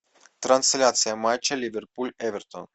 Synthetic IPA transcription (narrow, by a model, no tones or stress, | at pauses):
t̪ɾant̪selʲat̪sijamajt͡ʃelʲiverpulʲevɛrt̪o̰n